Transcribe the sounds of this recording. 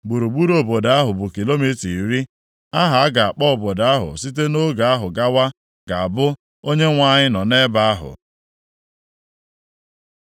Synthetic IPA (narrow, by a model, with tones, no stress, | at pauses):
ɡ͡bu˨ɾu˨ɡ͡bu˦ɾo˨bo˨da˦ɦʊ˨bʊ˨ki˨lo˦mi˦ti˨ɾi˦ | a˦ɦa˨a˦ɡa˨a˨k͡pɔ˦ɔ˨bo˨da˦ɦʊ̰˨si˦t̬e˦no˦ɡa˨a˦ɦʊ˨ɡa˦wa˦ | ɡ̥a˨a˨bʊ˦ | o˦ɲe˦ŋʷa˦˨ɲɪ˦nɔ˨ne˦ba˨a˦ɦʊ̰˨